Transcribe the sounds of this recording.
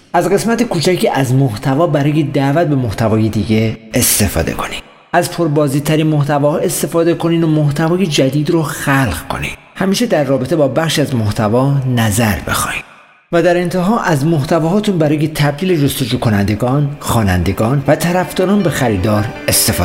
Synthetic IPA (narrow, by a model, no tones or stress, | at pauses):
ʔæzɢe̞smæt̪ekʰuːt͡ʃʰæcʰiʔæzmoht̪ʰævɒːbæɾɒːjed̪æʔvæt̪̚be̞moht̪ʰævɒːje̞d̪iːɟe̞ːst̪e̞fɒ̰ːd̪e̞̰kʰo̞̥nid̪̥ | æzpʰo̞ɾbɒːziːt̪ʰːæɾiːnmoht̪ʰævɒːhɒːe̞st̪e̞fɒːd̪e̞kʰo̞niːd̪omoht̪ʰævɒːje̞d͡ʒæd̪iːd̪ɾoxælɢkʰo̞̰nḭːd̪̥ | hæmiːʃed̪æɾːɒːbet̪e̞bɒːbæχʃiæzmoht̪ʰævɒːnæzæɾbe̞̰xɒ̰ːji̥ | væd̪æɾe̞nt̪ʰeɦɒːʔæzmoht̪ʰævɒːɦɒːt̪ʰunbæɾɒːje̞t̪ʰæb̚d̪iːled͡ʒost̪o̞d͡ʒuːkʰo̞nænd̪e̞ɡɒːnxɒːnæ̰nd̪e̞ɡɒːnvæt̪ʰæɾæfd̪ɒːɾɒːnbe̞xæɾiːd̪ɒːɾe̞st̪efː